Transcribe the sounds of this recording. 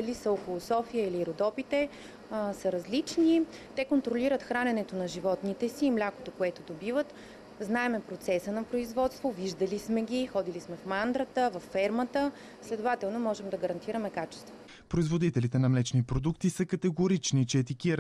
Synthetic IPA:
ɐlisəokulˠosɔfijəiliɾod̪ɔpit̪ɛ | səɾɐzlit͡ʃni | t̪ɛkont̪ɾoliɾət̪xɾanɛnɛt̪onɐʒivɔt̪nit̪ɛsiːmlʲako̥t̪okoɛt̪od̪obivət̪ | znaɛmɛpɾot̪sɛsənɐpɾoizvɔt̪st̪voviʒd̪əlismɛɡʲixɔd̪ilismɛfmand̪ɾət̪əvɐfːɛɾmət̪ə | slɛd̪ovat̪ɛlˠnomɔʒɛmd̪ɐɡɐɾɐnt̪iɾəmɛkat͡ʃɛ̥st̪vo̥ | pɾoizvod̪it̪ɛlit̪ɛnɐmlɛt͡ʃnipɾod̪ukt̪isəkɐt̪ɛɡoɾit͡ʃnit͡ʃɛːt̪ikiɾ

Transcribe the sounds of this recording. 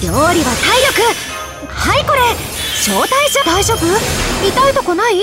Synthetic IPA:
ɾʲoːɾʲiβasaiɾʲo̞kɯ̟ | haiko̞ɾe̞ | ɕo̞ːt̪aiʑd̪aiʑo̞ːbɯ̟it̪ait̪o̞konai

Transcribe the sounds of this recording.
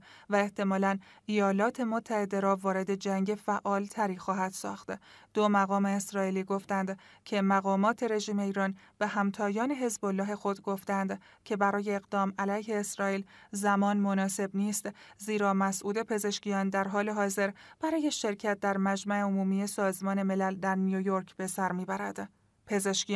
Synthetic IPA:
væe̞ht̪ʰe̞mɒːlænejɒːlɒːt̪ʰe̞mot̪ʰːæhe̞d̪e̞ɾɒːvɒːɾe̞d̪e̞d͡ʒæŋɟe̞fæʔɒːlt̪ʰæɾiːxɒːɦæd̪̥sɒ̰ːxt̪d̪̥omæɣɒːme̞ːsɾɒːiːliːɡo̞ft̪ænd̪cʰe̞mæɣɒːmɒːt̪ʰe̞ɾe̞ʒiːme̞iːɾɒːn | b̥e̞ɦæmt̪ʰɒːjɒːne̞ɦe̞zbo̞lːɒːɦe̞xo̞d̪ɡo̞ft̪ænd̪cʰe̞bæɾɒːje̞ːɣd̪ɒːmælæjhe̞ːsɾɒːiːlzæmɒːnmonɒːse̞bniːst̪ziːɾɒːmæsʔuːd̪e̞pʰe̞ze̞ʃcijɒːnd̪æɾɦɒːle̞ɦɒːze̞ɾb̥æɾɒːje̞ʃe̞ɾcʰæt̪̚ʰd̪æɾmæd͡ʒmæe̞omuːmiːje̞sɒːzmɒːne̞me̞læld̪æɾnijojoɾkʰb̥e̞sæɾmiːbæɾæd̪̥ | pʰe̞ze̞ʃki

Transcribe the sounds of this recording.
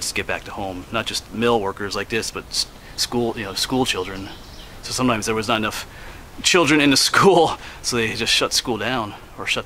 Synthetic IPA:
d͡ʒʌsɡ̥ɛt̚b̥æ̰k̚tʰəhõʊ̃mnət̚d̥ʒ̥ʌst̚mɪlˠwɜ˞kə˞zlaɪk̚ðɪsb̥ʌt̚s | skulˠjɨnoʊskulˠt͡ʃʰɪlˠdɹɨ̃n | soʊsʌ̃mtʰãɪ̃mzðə˞wʌznəɾɨnʌf | t͡ʃʰɪlˠdɹɨ̃nɨ̃nðɨskulˠsoʊðeɪd͡ʒʌstʃʌtskulˠdãʊ̃n | ə˞ʃʌt

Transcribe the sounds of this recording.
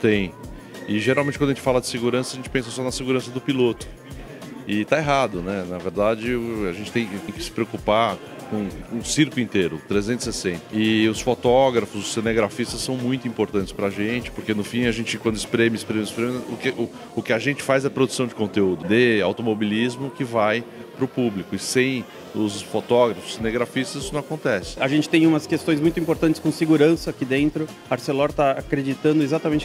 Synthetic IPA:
t̪ẽj̃ | ɪʒeɾawẽt͡ʃɪkɐ̃d̪ʒẽt͡ʃɪ̥falɐd͡ʒɪ̥seɡuɾɐ̃sɐʒẽnt͡ʃɪpẽsɐsɔnɐseɡuɾɐ̃sɐd̪ʊpilot̪ʊ̥ | ɪt̪aeɦad̪ʊnɛnɐveɾd̪ad͡ʒɪaʒẽnt͡ʃɪ̥t̪ẽj̃kt̪ẽj̃kɪ̥sɪ̥pɾeokupa | kõsiɾklʊĩnt̪eɾʊt̪ɾezẽnʊsesẽnt̪ɐ̥ɪʊsfot̪ɔɡɾɐfʊzʊsːeneɡɾafist̪ɐsːɐ̃w̃mũj̃t̪ʊĩpoɾt̪ɐ̃nt͡ʃɪspɾaʒẽnt͡ʃɪ̥poɾkenʊfĩɐʒẽt͡ʃɪkwɐ̃nd̪ʊɪspɾẽmʊɪspɾemjʊspɾẽmʊzʊkɪʔʊ | ʊkɪaʒẽnt͡ʃɪ̥fajzɛɐpɾod̪usɐ̃w̃d͡ʒɪkõnt̪eud̪ʊd̪ɪawt̪omobilizmʊkɪvajpɾʊpublɪkʊɪsẽj̃ | ʊsfot̪ɔɡɾɐfʊ̥sːeneɡɾafist̪ɐzinʊnɐ̃w̃akõnt̪ɛsɪ̥aʒẽnt͡ʃɪ̥t̪ẽj̃ũmɐskest̪õj̃zmũj̃t̪ĩpoɾt̪ɐ̃nt͡ʃɪ̥skõseɡuɾɐ̃sɐakid̪ẽnt̪ɾʊ | aɾselɔɾt̪aakɾed͡ʒit̪ɐ̃nd̪ʊezat̪ɐmẽnt͡ʃɪ

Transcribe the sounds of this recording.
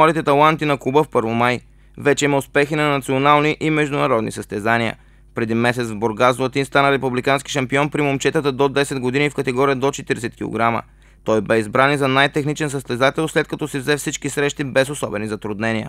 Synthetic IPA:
aɾit̪ɛt̪ɐlˠant̪inɐkubəfpɤɾvomaj | vɛt͡ʃɛimɐʊspɛxinɐnɐt̪sionalˠniʔimɛʒd̪ʊnɐɾɔd̪nḭsəst̪ɛzaniə̰ | pɾɛd̪imɛsɛt̪svboɾɡazvˠɐt̪inst̪anəɾɛpublikanski̥ʃɐmpiɔnpɾimomt͡ʃɛt̪ət̪əd̪od̪ɛsɛd̪ɡod̪inifkɐt̪ɛɡɔɾijəd̪ot͡ʃɛt̪iɾɛsɛt̪kʲilˠo̰ɡɾamə̰ | t̪ɔjbɛizbɾanizɐnajt̪ɛxnit͡ʃɛns̬əst̪ɛzat̪ɛlˠslɛt̪̚kɐt̪ɔsɛvzɛfsit͡ʃkisɾɛʃt̪ibɛzosɔbɛnizɐt̪ɾʊd̪nɛnijə̰

